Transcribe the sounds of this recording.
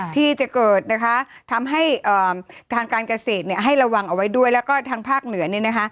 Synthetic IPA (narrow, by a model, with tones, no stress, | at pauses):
t̪ʰiː˥˩t͡ɕa˨˩kɤː˨˩t̪̚na˦˥kʰa˦˥t̪ʰa˧mɦa˥˩jʔəː˨˩t̪ʰaː˧ŋkaː˧nka˧seː˨˩t̪̚ni˥˩ɐɦa˥˩jɾa˧wa˧ŋʔa˧wa˦˥jdu˥˩əjlɛː˦˥wkɔː˥˩t̪ʰaː˧ŋpʰaː˥˩k̚nɯ˨˩˦ɐni˥˩na˦˥kʰa˦˥